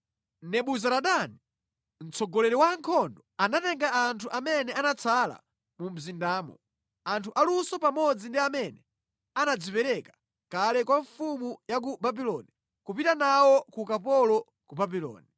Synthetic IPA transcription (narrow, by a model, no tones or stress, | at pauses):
nɛɓuzaɾaɗani | n̩t͡sɔɡɔlɛɾɛwaŋkʰɔndɔanatɛŋɡaːntʰuʔamɛnɛanat͡sʰala̰ | mum̩zindaːmɔ̰ | antʰuʔalusɔpamɔd͡zindiamɛnɛ | anad͡zipɛɾɛkḁ | kalɛkwaɱfumujak̬ubabilɔni | kupitanawɔkukapɔlɔ | kubabilɔ̰ːni